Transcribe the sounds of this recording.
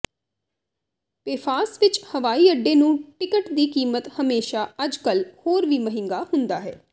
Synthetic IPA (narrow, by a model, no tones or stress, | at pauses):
peːfʰaːsʋɪt͡ʃhəʋaːiːəɖːeːnũːʈɪkəʈd̪iːkiːmət̪həmeːʃaːəd͡ʒkəlhoːɾʋiːməɦɪ̃ŋɡaːhʊnd̪aːɦɛ̰ː